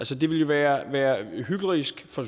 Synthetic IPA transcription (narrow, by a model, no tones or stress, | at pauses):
ælsəd̥e̝ʋe̝ljo̝ʋæːɐʋæːɐɦyɡ̥l̩əʁisɡ̥fɒ̽